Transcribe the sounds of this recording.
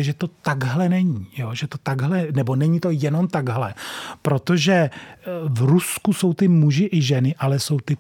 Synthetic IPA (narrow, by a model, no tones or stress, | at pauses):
ʒɛt̪o̞t̪aɡɦlɛnɛɲiːjoʒɛt̪ot̪aɡɦlɛnɛbo̞nɛɲiːt̪o̞jɛno̞mt̪aɡɦlɛpɾo̞t̪o̞ʒɛ | vɾuskuso̞wt̪ɪmuʒɪʔɪʒɛnɪʔalɛso̞wt̪ɪ